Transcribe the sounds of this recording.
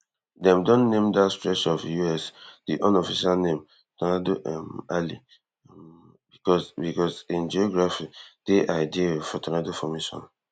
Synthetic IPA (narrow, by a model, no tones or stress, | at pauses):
dɛ̃mdɔ̃nːẽmdatstɹɛʃɔfjuɛsdiʔɔ̃nɔfiʃalnẽm | tɔnadoʔmali | bikɔbikɔsĩnd͡ʒiɔɡɹafid̥eʔaɪdifɔtɔnadofɔmeʃɔ̰̃n